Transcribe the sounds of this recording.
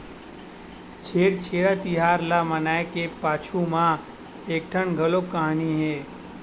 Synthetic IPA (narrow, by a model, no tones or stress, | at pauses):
t͡ʃʰeːɽt͡ʃʰeːɽat̪ɪɦaːɾlamənaːekepaːt͡ʃʰumã | eːk̚ʈʰəɳɡʱəlokəɦaniɦɛː